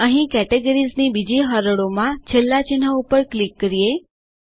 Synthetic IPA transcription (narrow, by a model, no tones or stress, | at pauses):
əɦĩkɛʈeɡəɾiznibid͡ʒiɦaɾəɽomãt͡ʃʰelːat͡ʃin̤aupəɾklikːəɾije